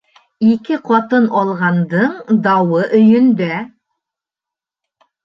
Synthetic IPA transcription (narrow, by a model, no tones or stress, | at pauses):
ikɘqʰɒt̪ɤnɒlˠʁɑnd̪ɤɴd̪ɑwɤʔɵ̆jɵ̆nd̪æ